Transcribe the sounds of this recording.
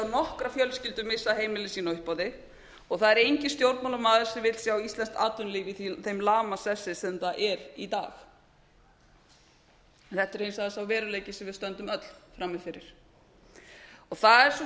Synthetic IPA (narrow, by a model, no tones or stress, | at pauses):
nɔhkɾafjœlscɪlt̪ʏmɪsːaðɦejmɪlɪsiːnaʏhpɔːðɪ | ɔɣθaðɛɾejɲcɪst̪jowɾt̪nmawlamaːðʏɾ̥sɛvɪt̪lsjawist̪lɛnst̪aːt̪ʏnliːvɪθejmlaːmasɛsːɪsɛmθaʔɛɾit̪a̰ːx | ɛnθɛht̪ɪɾhejnsaðasawvɛːɾʏleːjcɪsɛmvɪðst̪œnt̪ʏmœt̪l̥fɾamːɪfɪɾɪɾ̥ | ɔɣθaðɛɾ̥s